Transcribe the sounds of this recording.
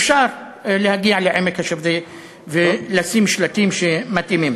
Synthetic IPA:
fʃaɾ | lehaɡiaʕleʕemekhaʃavd̪i | velasimʃlat̪imʃemat̪ʔimim

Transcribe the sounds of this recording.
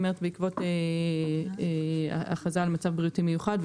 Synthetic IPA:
meʁetbeikvo̞te | a̰χazalmat͡savbʁiutimejuχadv

